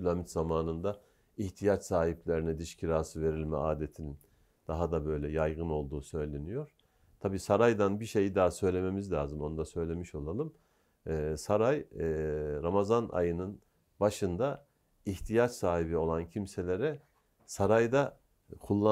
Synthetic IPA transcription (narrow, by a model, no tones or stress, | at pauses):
ylʲamit̪zamaːnɯnd̪a | iht̪ʰijat͡ʃsaːhiplʲe̞ɾinɛd̪iʃcʰiɾaːsɯve̞ɾilʲmɛ̰aːd̪e̞t̪ʰinin | d̪̥aɦad̪abø̞jlʲɛjajɡɯno̞lˠd̪uːsø̞jlʲe̞nijo̞ɾ̥ | t̪ʰabiːsaɾajd̪anbiʃe̞jid̪aːsø̞jlʲe̞me̞mizlʲaːzɯmo̞nd̪asø̞jlʲe̞miʃo̞lˠalˠɯmː | saɾaj | ɾamazanʔa̰jɯnɯn | baʃɯnd̪a | içt̪ʰijat͡ʃsaːɦibio̞lˠancʰimse̞lʲe̞ɾɛ | saɾajd̪a | kʰulˠːa